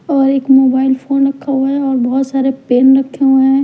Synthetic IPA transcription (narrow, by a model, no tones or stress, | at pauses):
ɔːɾeːkmoːbaːɪlfʰoːnɾɐkʰːaɦuɛɔːɾbɔɦʊt̪saːɾepeːnɾɐkʰːeɦuɛ̃